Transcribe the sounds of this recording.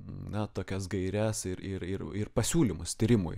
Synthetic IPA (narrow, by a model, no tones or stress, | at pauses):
nɐt̪oːkʲɛsɡɐɪɾʲæsɪɾɪɾɪɾɪrpɐsʲuːlʲimʊst̪ʲiːɾʲɪmʊ̰j